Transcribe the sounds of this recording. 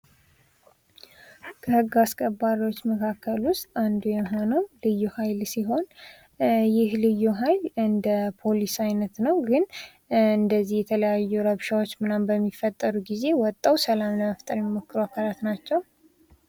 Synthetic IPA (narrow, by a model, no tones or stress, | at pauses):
kʰəhɨɡːaskʼəbːaɾiwo̞t͡ʃːməkʰakʰːəlwʊst̪ʼand̪ujɛmɦonomlɨjːuhajlsiɦo̞n | jɪhlɨjːuɦajlɨnd̪əpʰo̞lisajnət̪nəwɡɨn | ɨnd̪əzːihjɛt̪ʰələjajːuɾəβʃawo̞t͡ʃːmɨnambəmːifːət̪ʼːəɾuɡize̞wɔt̪ʼːawsəlamnəməft̪ʼəɾmɛmokːɨɾuakʰalat̪nat͡ʃːɛw